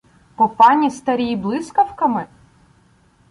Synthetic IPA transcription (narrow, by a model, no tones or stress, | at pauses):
pɔpɑnʲist̪ɐɾʲijiblˠɪskɐwkɐmɪ